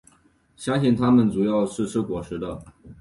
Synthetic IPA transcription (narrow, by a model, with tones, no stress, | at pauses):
ɕja˥ɕɛ˥˩nt̪ʰa˥mə˨nt͡su˨˩jɑ˥˧ʊʂɻ̩˥˩ʈ͡ʂ̩ʰ˥kwɔ˨˩ʂɻ̩˧˥d̪ə˧